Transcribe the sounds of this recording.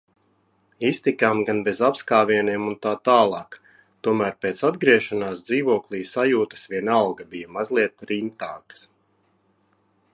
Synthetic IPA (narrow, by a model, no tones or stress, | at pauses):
ist̪ikamɡanbezapskaːviɛniɛmunt̪aːt̪aːlˠɑːk | t̪uɔmæːɾpeːt̪sad̪ɡɾiɛʃanaːsd̪ziːvuɔklˠiːsajuːt̪ə̥svʲiɛnalˠɡɐbijɐmazlˠiɛt̪ɾimt̪aːkə̥s